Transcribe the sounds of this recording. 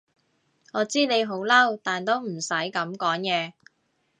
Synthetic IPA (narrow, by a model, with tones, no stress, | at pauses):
ŋɔː˨˧t͡siː˥ne˨˧jɦo˨˥wlɐ˥wt̪aː˨nt̪o˥wm̩˨˩sɐ˨˥jkɐ˨˥mkɔː˨˥ŋkɛː˧